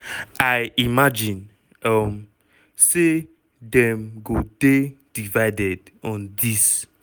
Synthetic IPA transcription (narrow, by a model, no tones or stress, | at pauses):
aɪimad͡ʒĩn | ʌm | se | dɛ̃mɡoded̥ivaɪdɛd | ɔ̃ndis